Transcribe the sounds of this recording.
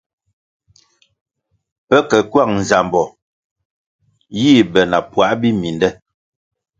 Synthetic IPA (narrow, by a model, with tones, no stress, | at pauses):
pɛ˦kɛ˨kwa˦˨ŋ̚n̩˨za˨mbɔ˨ | jiː˦˨bɛ˨na˨pwa˨˦ʔbi˦mi˨ndɛ˦